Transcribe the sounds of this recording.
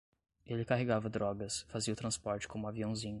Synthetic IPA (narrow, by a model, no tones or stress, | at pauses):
elɪkaɦeɡavɐd̪ɾɔɡɐsfaziɐʊt̪ɾɐ̃spɔɾt͡ʃɪ̥kʰõmʊaviɐ̃w̃zĩɲʊ